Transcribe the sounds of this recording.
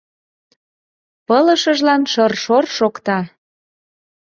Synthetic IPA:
pɤlə̆ʃəʒlɑnʃɤrʃorʃokt̪ɑ

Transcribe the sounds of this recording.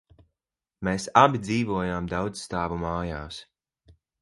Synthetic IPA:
meːsabid̪ziːvuɔjaːmd̪awd̪zst̪aːvumaːjaːs

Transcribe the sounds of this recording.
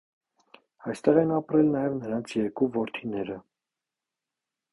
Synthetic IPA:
ɑjst̪ɛʁɛnɑpɾɛlnɑjɛvnəɾɑnt͡sʰjɛɾkuvɔɾt̪ʰinɛɾə

